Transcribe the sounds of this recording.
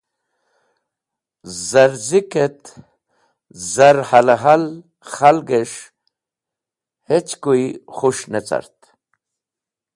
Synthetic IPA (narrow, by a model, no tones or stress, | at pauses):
zaɾziket̪ | zaɾhalaɦal | χalɡeʂ | het͡ɕkujiχuʂnet͡sa̰ɾt̪